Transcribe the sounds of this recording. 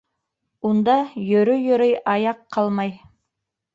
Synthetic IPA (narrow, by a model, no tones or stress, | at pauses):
und̪ɑjɵ̆ɾɵjɵ̆ɾɤjɑjɑqːɑlˠmɑj